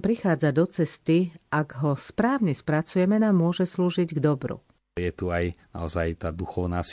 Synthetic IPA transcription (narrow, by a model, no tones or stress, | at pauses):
pɾixaːd͡zad̪ɔt͡sɛst̪iʔaɡɦɔspɾaːʊɲɛspɾat͡sujɛmɛnaːmːʊɔʒɛsluːʒiɟɡd̪ɔbɾṵ | jɛt̪uajna̰ɔzajt̪aːd̪uxɔʊnaːs